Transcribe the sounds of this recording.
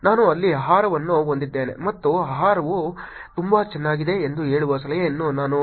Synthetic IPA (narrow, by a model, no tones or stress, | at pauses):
naːnuɐlːiɐɦaːɾɐʋɐnːuɦond̪id̪ːe̞ːne̞̰mɐt̪ːuɐɦaːɾɐʋu | t̪umbɐt͡ʃɛnːaːɡid̪e̞ːnd̪uɦe̞ːɭuʋos̬ɐlɐjeːnːunaːnu